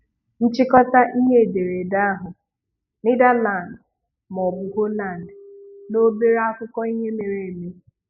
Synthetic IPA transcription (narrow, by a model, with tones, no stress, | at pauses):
n̩˦t͡ʃɪ˦kɔ˦ta˦ʔi˦ɦe˦e˨de˨ɾe˨da˦a˦ɦʊ˨ | nɪ˦da˦la˨n˨d | m˨ɔ˨bʊ˨ɦo˦la˦˨n˨dno˦be˦ɾa˦kʊ˦kɔ˦i˦ɲe˦me˨ɾe˨me˦